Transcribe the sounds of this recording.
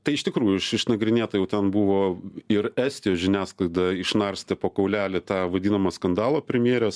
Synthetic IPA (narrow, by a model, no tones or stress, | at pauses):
t̪ɐɪɪʃt̪ʲɪkɾuːjʊɪʃɪʃnɐɡɾʲɪnʲeːt̪ɐjɛʊt̪ʲɛnbuʋoːɪɾæːsʲt̪ʲɪjoːsʒʲɪnʲæːsklˠɐɪd̪ɐɪʃnɐrsʲt̪ʲepoːkɐʊlʲæːlʲɪt̪ɑːʋɐd̪ʲiːnɐmɐskɐnd̪ɑːlˠoːpʲɾʲɛmʲjeːɾʲɛs